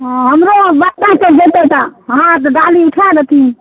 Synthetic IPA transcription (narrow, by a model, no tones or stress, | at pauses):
ɦəmɾobət̪akəd͡ʒet̪ɛt̪aɦãt̪ɔɖaliuʈʰaɾət̪i